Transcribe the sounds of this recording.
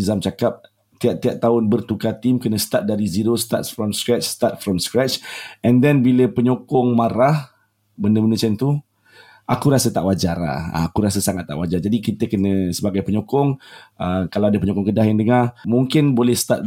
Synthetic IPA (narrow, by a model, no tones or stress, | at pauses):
zamt͡ʃakap̚ | t̪iaʔ̚t̪iaʔt̪ːaʊnbərt̪ukat̪imkənəst̪at̪̚daɾiziɾost̪a̰t̪̚fɾɔmskɾɛt͡ʃst̪at̪̚fɾɔmskɾɛt͡ʃɛ̃ndɛnbiləpəɲokɔŋmaɾah | bəndəbəndət͡ʃant̪u | ʔakuɾasət̪a̰ʔwad͡ʒaɾa̰a̰akuɾas̬əsaŋat̪ːa̰ʔwad͡ʒard͡ʒadikit̪əkənə̃səbaɡajpəɲokɔŋəkalawadapəɲokɔŋkədahjandəŋarmuŋkɪnbolɛhst̪at̪̚